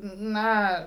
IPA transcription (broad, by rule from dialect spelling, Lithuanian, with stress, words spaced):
ˈnɐ